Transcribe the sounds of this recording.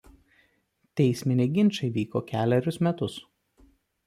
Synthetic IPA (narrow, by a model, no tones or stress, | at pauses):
t̪ʲɛɪsʲmʲɪnʲeɡʲɪnʲˑt͡ʃʲɐɪʋʲiːkoːkʲæːlʲɛɾʲʊsmʲɛt̪ʊs